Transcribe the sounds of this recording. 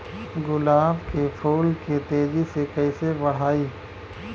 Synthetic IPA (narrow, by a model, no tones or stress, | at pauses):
ɡʊlaːbkepʰoːlket̪eːd͡ʒisekɐɪsebɐɽ̤aːiː